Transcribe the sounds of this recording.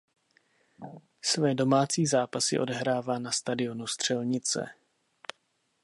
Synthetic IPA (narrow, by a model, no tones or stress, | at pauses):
svɛːdo̞maːt͡siːzaːpasɪ̰ʔo̞̰dɛɦɾaːvaːnast̪adɪo̞nust̪r̝̥ɛlɲɪt͡sɛ̰